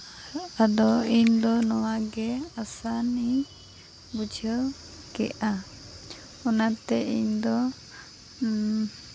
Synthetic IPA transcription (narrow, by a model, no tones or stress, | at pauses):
ad̪ɔiɲd̪ɔnɔwaɡɛasani | bud͡ʒʱəl | kɛ̰ʔa | ɔnat̪ɛiɲd̪ɔ